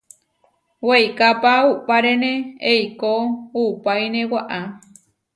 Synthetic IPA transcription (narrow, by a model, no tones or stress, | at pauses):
wejkapauʔpaɾenẽejkoupajnẽwaʔa